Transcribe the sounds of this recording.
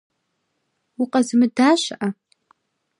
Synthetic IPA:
uqʼazɨmɨdaʃʷʔa

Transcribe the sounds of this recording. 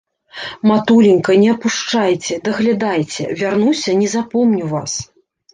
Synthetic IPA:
mat̪ulʲinʲkɐnʲɛɐpuʂt͡ʂajt͡sʲɛd̪ɐɣlʲad̪ajt͡sʲɛ̰vʲarnusʲɐnʲɛzapɔmnʲuwvas

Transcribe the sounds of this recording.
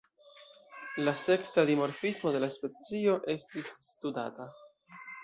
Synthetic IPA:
lase̞ksadimo̞ɾfismo̞de̞laspe̞t͡sio̞ʔe̞stisːtuda̰ta

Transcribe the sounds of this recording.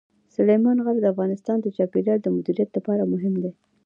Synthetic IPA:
sʊlejmɑnɣald̪əafɣɑnɪst̪ɑnd̪ət͡ʃɑpelɑɽd̪əmʊd̪iɾijat̪lapɑɾamʊɦɪmd̪e

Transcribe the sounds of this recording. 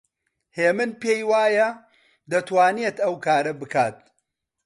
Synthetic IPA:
heːmɨnpeːjwaːjɐ | d̪ɐt̪waːnijet̪ɐwkaːɾɐbɨkʰaːt̪̚

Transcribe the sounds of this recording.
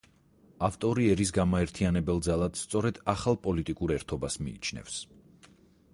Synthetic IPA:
aft̪ʼɔɾiɛɾisɡamaɛɾt̪ʰianɛbɛlˠd̪zalˠad̪̥st̪sʼɔɾɛd̪̥aχalˠpʼɔlit̪ʼikʼuɾɛɾt̪ʰɔbasmḭːt͡ʃʰnɛ̰fs

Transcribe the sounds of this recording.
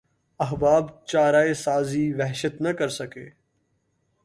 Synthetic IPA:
ɐɦbaːbt͡ʃaːɾaːesaːziːʋɛɦʃət̪nəkəɾsəkḛː

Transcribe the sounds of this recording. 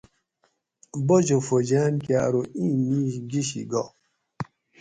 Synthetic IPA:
bod͡ʒofod͡ʒanka̰ɾoiniɡiʃḭɡɔ

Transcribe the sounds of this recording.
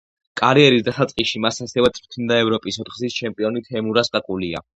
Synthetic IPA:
kʼaɾiɛɾisd̪asat̪sʼqʼiʃimasasɛvɛt̪sʼpt̪ʰnd̪aɛvɾɔpʼisɔt̪χzist͡ʃʰɛmpʼiɔnit̪ʰɛmuɾasɡakʼulia̰

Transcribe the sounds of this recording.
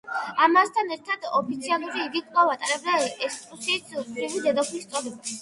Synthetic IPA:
amast̪ʰanɛɾt̪ʰad̪ɔpʰit̪sʰialˠuɾiːɡikʼlˠavat̪ʼaɾɛbd̪aɛsʼusiːt̪spɾilid̪ɛd̪ɔpʰnist̪sʼɔlɛb

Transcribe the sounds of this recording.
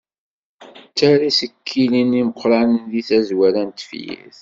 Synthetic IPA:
t͡sːæɾisəkʰːiliniməqʰːɾanðiθæzwæɾænt̪fjḭθ

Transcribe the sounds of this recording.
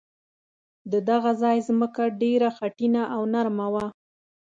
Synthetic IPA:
d̪əd̪aɣazɑjzməkaɖeɾaxaʈinaʔawnaɾmawa

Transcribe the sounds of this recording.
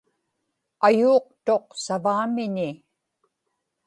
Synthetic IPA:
ajuːq̚t̪o̞qsavaːmɪɲɪ

